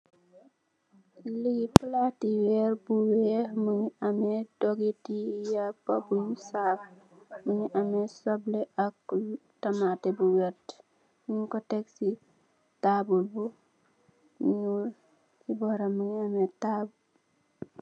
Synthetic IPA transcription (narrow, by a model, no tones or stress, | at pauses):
liɡiplatiwɛrbuwɛmuɲɐmɛdɔɡitijɐpɐbuɲsaf | muɲuʔɐmɛsɔblɛʔɐktɐmatɛbuwɛt | muɲkɔtɛksi | tabulbu | ɲul | ibɔɾɐmːuɲɐmɛtabu